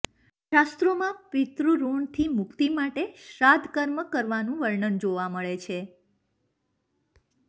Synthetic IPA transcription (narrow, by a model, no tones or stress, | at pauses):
ʃast̪ɾomãpɪt̪ɾuɾuɳt̪ʰimukt̪imaʈeʃɾad̪ʱkəɾməkəɾʋanũʋəɭɳənd͡ʒoʋaməɭet͡ʃʰe